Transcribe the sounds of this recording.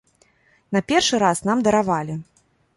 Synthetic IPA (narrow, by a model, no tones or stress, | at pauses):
n̪ɐpʲɛrʂɨɾasnamd̪ɐɾavalʲi